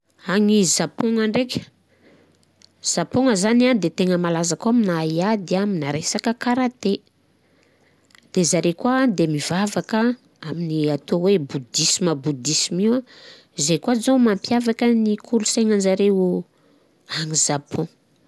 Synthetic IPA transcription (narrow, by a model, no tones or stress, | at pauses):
aŋizapɔ̃ŋaɳɖ͡ʐekʲə̥ | z̥apoŋəzaniand̪et̪eŋəmalazakaminaiad̪iaminaɾesakəkaɾat̪e | d̪̥ezaɾekwad̪emivavakə | aminiat̪owebud̪isiməbud̪isimiwa | izejkwazomampjavakənikʰuɾuseŋand͡ʒaɾeu | aŋizapʰɔ̃